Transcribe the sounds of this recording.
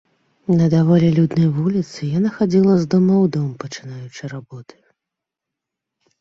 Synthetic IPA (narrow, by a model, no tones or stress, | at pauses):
nɐd̪avɔlʲɛlʲud̪nɐjvulʲit̪sɨjanaxad͡zʲilˠɐzd̪ɔmɐwd̪ɔmpɐt͡ʂɨnajut͡ʂɨɾabɔt̪ʰɨ̥